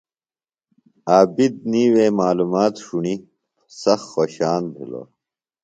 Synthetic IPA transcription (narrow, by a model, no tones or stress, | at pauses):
aːbid̪̚niːwemaːlumaːt̪ʂuɳi | sɐxxoːɕaːnbʱḭlo̰ː